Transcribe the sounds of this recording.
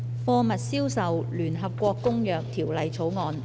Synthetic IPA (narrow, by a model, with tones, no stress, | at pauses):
fɔː˧mɐ˨t̚siː˥wsɐ˨wlyː˨˩nɦɐ˨p̚kʷɔː˧kːʊ˥ŋjœː˨k̚t̪ʰiː˨˩wlɐ˨˧jt͡sʰo˨˥wŋɔː˨˧n